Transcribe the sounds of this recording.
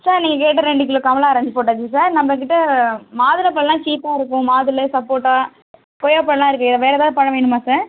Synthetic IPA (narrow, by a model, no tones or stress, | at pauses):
saːɾniːŋɡɐk̬eːʈ̬ːɐɾɛɳɖɯkɪloːkɐmɐlaːɐɾɐɲd͡ʒɯpoːʈːaːt͡ʃɯsaːɾnɐmbɐkɪʈːɐmaːðɯlɐp̬ːɐɭlãːt͡ʃiːpːaːɪɾɯkːʊ̃maːðɯlɐsɐpːoːʈːaː | kɔjɐpːɐɭlãːɪɾɯkːɯ̃ɪðɐʋeːɾɛðaːðɯpɐɳɐʋeːɳɯmaːsaːɾ